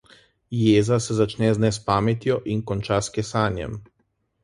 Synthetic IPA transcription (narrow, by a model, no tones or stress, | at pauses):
jeːzasɛzat͡ʃnɛznɛspaːmɛt̪jɔʔinkɔnt͡ʃaskɛsaːnjɛ̰m